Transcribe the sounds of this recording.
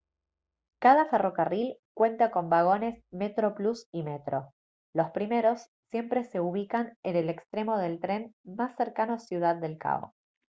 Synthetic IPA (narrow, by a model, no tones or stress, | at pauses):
kað̞afero̞karilkwe̞nt̪ako̞mbaɣ̞o̞ne̞smet̪ɾoplusime̞t̪ɾo̞ | lo̞spɾime̞ɾo̞sːje̞mpɾe̞se̞uβ̞ikanenele̞kst̪ɾe̞mo̞ðe̞lt̪ɾe̞nmasːeɾkanosjuð̞að̚ːe̞lka̰o̰